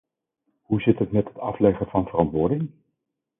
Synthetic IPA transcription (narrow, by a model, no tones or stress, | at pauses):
ɦuzɪtɦətmɛtɦətɑflɛχəvɑnv̥ərɑntʋʊːɹdɪŋ